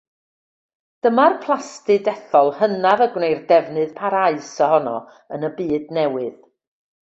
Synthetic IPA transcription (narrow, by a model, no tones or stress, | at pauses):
d̥əmarpʰlˠastɨdɛθɔlˠhənavəɡwnejrdɛvnɨðpʰaɾaɨsəhɔnɔ̰ | ənəbiːdnɛwɨð